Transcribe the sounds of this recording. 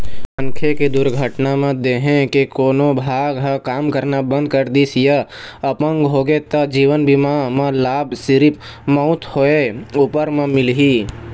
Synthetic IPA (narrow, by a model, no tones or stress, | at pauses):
ə̃ŋkʰeked̪ʊɾɡʱəʈnamãd̪eːɦẽkekoːnobʱaːɡɦəkaːmkəɾnabə̃nd̪̚kəɾd̪isjəəpə̃ŋɡɦoːɡet̪əd͡ʒiːʋənbimamãlaːbsɪɾɪp | mɔʊt̪hoeuːpəɾmə̃mɪlɦi